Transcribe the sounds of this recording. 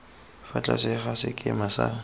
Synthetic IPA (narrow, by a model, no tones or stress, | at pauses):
fat͡ɬʼa̰sɪχasɪkʼɪmasa